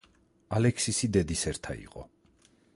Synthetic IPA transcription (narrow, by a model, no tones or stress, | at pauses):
alɛkʰsisid̪ɛd̪isɛɾt̪ʰa̰ḭqʼɔ̰